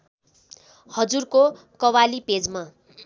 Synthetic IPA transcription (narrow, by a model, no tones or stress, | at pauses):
hʌd͡zurko | kʌwaliped͡zma